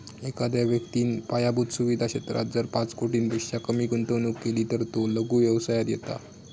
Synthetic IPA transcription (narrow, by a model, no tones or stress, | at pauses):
ekad̪jaʋjəkt̪iːnpajabud̪suʋid̪ʱaɕet̪ɾa̰d͡zəɾpãt͡skoʈiːnbiɕjakəmiːɡuɳʈ̪ənukkːeliːt̪əɾt̪oləɡuːʋjəʋsajat̪jet̪a̰